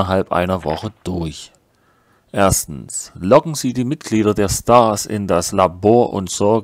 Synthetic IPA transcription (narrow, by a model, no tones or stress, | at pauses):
ɐɦalpʔa̰ɪnɐvɔχəd̥ʊɐç | ʔeːɐstn̩slɔɡŋ̩ziːdiːmɪt̚ɡ̥liːɾɐdeːɐstaːsɪ̰ndaslaboːɐʔʊ̰ntz̥ɔɐ